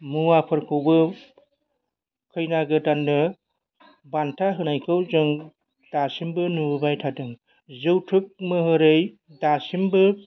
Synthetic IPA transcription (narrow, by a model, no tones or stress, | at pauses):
muapʰɯɾkʰɯwbɯ | kʰɯjnaɡɯdanːɯ | bantʰaɦɯnajkʰɯwzɯŋ | d̥asimbɯnubajtʰadɯŋ | zɯwtʰɯk̚mɯɦɯɾɯj | dasimbɯ